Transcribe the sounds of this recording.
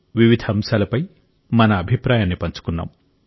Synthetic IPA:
ʋiʋid̪ʱɐmsɐlɐpɐj | mɐnɐːbʱipɾaːjaːnːipɐɲt͡ʃu̥kunːa̰ːm

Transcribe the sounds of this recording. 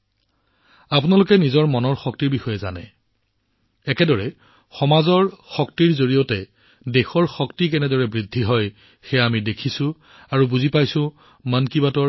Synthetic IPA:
apʊnalʊkɛnizɔɹmɔnɔɹxɔk̚tiɹbixɔjɛza̰nɛ̰ | ɛkɛdɔɹɛ | xɔmazɔɹxɔk̚tiɹzoɹijɔtɛ | dexɔɹxɔktikɛnɛdɔɹɛbɹidʱːiɦɔj | xɛjaamidekʰisʊ̃ | aɹubuzipajsʊ̃ | mankibatɔ

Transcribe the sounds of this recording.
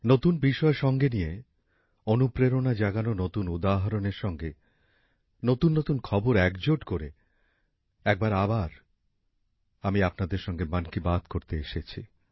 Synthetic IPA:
not̪unbiʃɔeʃɔŋɡenije | onupɾeɾonad͡ʑaɡanonot̪unud̪aɦaɾoneɾʃɔŋɡe | not̪unːot̪unkʰɔboɾɛkd͡ʑoʈkoɾe | ɛk̚baɾabaɾ | amiapnad̪eɾʃɔŋɡemankibad̪ʱkoɾt̪eeʃet͡ɕʰḭ

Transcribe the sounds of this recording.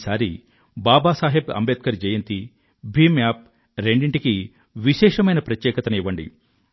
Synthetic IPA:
saːɾi | baːbaːsaːɦibɐ̰mbeːt̪̚kɐɾd͡ʒɐjɐnt̪i | bʱiːmaːp̚ | ɾeɳɖiɳʈiki | ʋiʃɛːʂɐmɐjnɐpɾɐt̪jɛːkɐt̪ɐniʋɐɳɖḭ

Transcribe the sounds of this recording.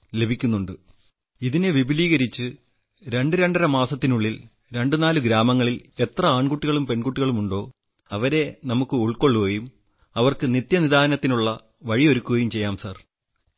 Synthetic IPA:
le̞bʱikʲːunːuɳɖɨ | iðineʋibʱiliːɣɐɾit͡ɕːɨ | ɾe̞ɳɖɨɾe̞ɳɖɐɾɐmaːsɐt̪ːinuɭːil | ɾe̞ɳɖɨnaːluɡɾaːmɐŋːɐɭile̞t̪rɐaːɳkuʈːiɣɐɭumpe̞ɳkuʈːiɣɐɭumuɳɖo̞ː | ɐʋɐɾe̞nɐmukːɨuɭko̞ɭːukojum | ɐʋɐrkɨnit̪jɐniðaːɐnɐt̪ːinuɭːɐ | ʋɐɻio̞ɾukʲːuɣɐjumt͡ɕe̞jːaːmsɐr

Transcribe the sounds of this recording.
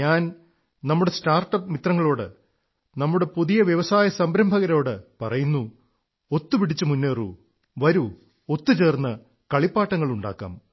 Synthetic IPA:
aːn | nɐmːuɽe̞staːrʈːɐpːmit̪rɐŋːɐɭo̞ːɽɨ | nɐmːuɽe̞puðijɐʋjɐʋɐsaːjɐsɐmbɾɐmbʱɐɣɐɾo̞ːɽɨpɐrɐjunːu | ot̪ːupiɽit͡ɕːɨmunːeːrṵ | ʋɐɾu | ot̪ːut͡ɕe̞ːrnːɐ | kɐɭipːaːʈːɐŋːɐɭuɳɖa̰ːkːa̰ːm

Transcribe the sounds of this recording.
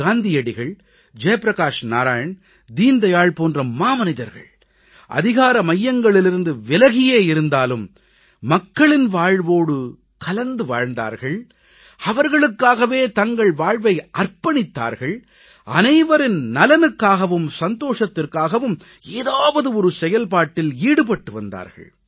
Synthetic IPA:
aːnd̪ɪjɐɽɪɣɐɭ | d͡ʒɐjɐpɾɐkaːʂnaːɾaːjɐn | d̪iːnd̪ɐjaːɭpoːndrɐmaːmɐnɪðɐɾɣɐ̰ɭ | ʔɐ̰ðɪɣaːɾɐmɐjːɐŋɡɐɭɪlɪɾɯnd̪ɯʋɪlɐɣɪjeːjɪɾɯnd̪aːlɯmː | ɐkːɐɭɪnʋaːɻʋoːɽɯ | kɐlɐnd̪ɯʋa̰ːɻnd̪a̰ːɾɣɐɭ | ɐʋɐɾɣɐɭɯkːaːɣɐʋeːt̪ɐŋɡɐɭʋaːɻʋɐɪʔɐrpɐɳɪt̪ːa̰ːɾɣɐɭ | ʔɐ̰nɐɪʋɐɾɪnnɐlɐnɯkːaːɣɐʋɯmsɐnt̪oːʂɐt̪ːɪrkaːɣɐʋɯm | eːðaːʋɐðɯɔɾɯsɛjɐlpaːʈːɪliːɽɯp̬ɐʈːɯʋɐnd̪a̰ːɾɣɐ̰ɭ

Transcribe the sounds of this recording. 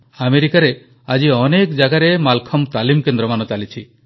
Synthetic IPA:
ameɾikaɾe | ad͡ʒiɔnekd͡ʒaɡaɾemalkʰɔmt̪alimkend̪ɾɔmanɔt͡ʃalit͡ʃʰi

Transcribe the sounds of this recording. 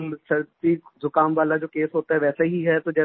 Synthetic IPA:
səɾt̪iːzʊkaːmʋaːlad͡ʒoːkeːsɦoːt̪aɦɛːʋɛːseɦiɦɛːt̪oːd͡ʒɛː

